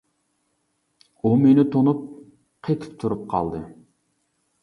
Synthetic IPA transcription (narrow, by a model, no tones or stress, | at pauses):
umenɪt̪ʰonup̚ | qʰet̪ʰɨ̥p̚t̪ʰuɾup̚qʰɑ̰lˠd̪ɨ